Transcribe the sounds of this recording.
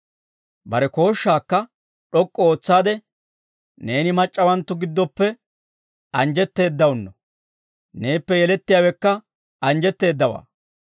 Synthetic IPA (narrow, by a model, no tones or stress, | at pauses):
bɐɾɛko̞ːʃːaːkːɐ | ɗɔkʼːɔoːt͡sːaːd̪ɛ | ne̞ːnɪmɐt͡ʃʼːɐwɐnt̪ːʊɡɪd̪ːɔpːɛ | ɐnd͡ʒɛt̪ːe̞ːd̪ːɐwʊnːɔ | ne̞ːpːɛjɛlɛt̪ːɪjaːwɛkːɐ | ʔɐnd͡ʒɛt̪ːe̞ːd̪ːɐwa̰ː